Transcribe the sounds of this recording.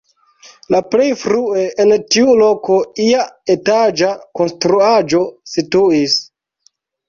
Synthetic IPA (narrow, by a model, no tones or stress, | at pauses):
laple̞jfɾueʔentiulo̞ko̞iaetad͡ʒako̞nstɾuad͡ʒo̞situis